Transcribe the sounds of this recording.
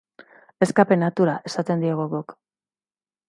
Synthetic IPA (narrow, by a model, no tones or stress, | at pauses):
e̞skape̞nat̪uɾaʔe̞sat̪e̞nd̪iaɣoɣuk